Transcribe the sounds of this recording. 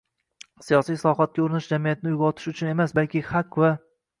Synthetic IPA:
sijɒsijslˠɒhɒt̪̚kʲaʊɾɪnɪʃd͡ʒamijat̪ʰɪnɪjʊɡɒt̪ʰɪ̥ʃʊt͡ʃʰʊne̞masbalkʲʰɪχakʲva

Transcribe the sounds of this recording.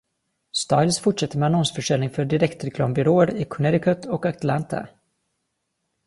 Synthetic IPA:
st̪aɪlsfʊʈʂɛt̪ːəɾmɛanɔnsfœʂɛlnɪŋfœɖɪɾɛkt̪ɾɛklɑ̰ːmbʏɾoːəɾɪkʰɵnɛɾɪkʰœt̪ʰɔkakt̪lant̪ʰa̰

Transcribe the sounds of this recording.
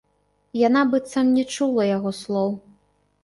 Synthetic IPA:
jan̪abɨt̪samnʲɛt͡ʂulˠɐjaɣɔslˠɔw

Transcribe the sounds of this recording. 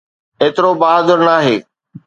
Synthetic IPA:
eːt̪ɪɾobaɦaːd̪əɾnaːɦeː

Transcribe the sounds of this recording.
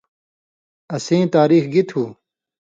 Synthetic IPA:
ɐsẽːt̪aːɾiːxɡit̪ʰhuː

